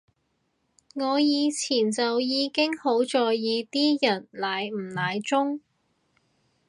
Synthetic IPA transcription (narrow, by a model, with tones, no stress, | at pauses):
ŋɔː˨˧jiː˨˧t͡sʰiː˨˩nt͡sɐ˨wjiː˨˧kɪ˥ŋho˨˥wt͡sɔː˨˧jiː˨˧t̪iː˥jɐ˨˩nlaː˨˩jm̩˨˩laː˨jt͡sʊ˥ŋ